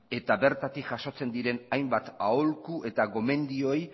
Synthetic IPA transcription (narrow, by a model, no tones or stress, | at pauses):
e̞t̪aβe̞ɾt̪at̪ikʝaso̞t͡se̞nd̪iɾe̞najmbat̪aolkue̞t̪aɣo̞me̞nd̪io̞j